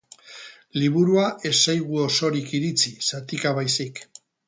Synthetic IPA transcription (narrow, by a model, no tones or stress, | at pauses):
liβuɾuae̞sajɣuo̞so̞ɾikiɾit͡sisat̪ikaβajsik